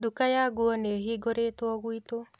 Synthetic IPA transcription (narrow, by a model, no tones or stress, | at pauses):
dukajaɡuɔneɦiɡoɾetwɔɣwito